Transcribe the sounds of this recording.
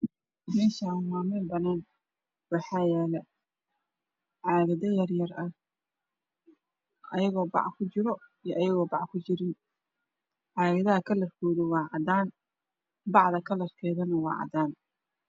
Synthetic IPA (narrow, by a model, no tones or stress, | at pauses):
mɛːʃaːnmaːmɛlbɐnaːn | wɑħɑːjɛːlɛ | ʕɑːɣɐðɐjɐrjɐrɐh | ʔɐjɐɣɔːbɑ̰ʕkʰʊt͡ʃɪɾɔijɔʔɐjɐɣɔːbɑʕkʰʊt͡ʃɪɾɪn | ʕɑːɣɐðɐɦɐkʰɐlːɐrkʰɔːðʊwɑːʕɑd̪aːn | bɑʕðɐkʰɐlɐrkʰɛːðɐnɐwɑ̰ːʕɑ̰d̪aːn